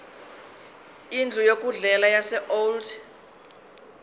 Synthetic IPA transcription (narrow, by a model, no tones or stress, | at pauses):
ind͡ɮʱujokʼuɮɛlajasɛʔold